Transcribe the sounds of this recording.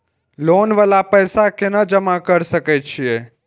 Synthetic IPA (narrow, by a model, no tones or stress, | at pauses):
loːnʋəlapəjsakenəd͡ʒəmakəɾsəkɛt͡ʃʰije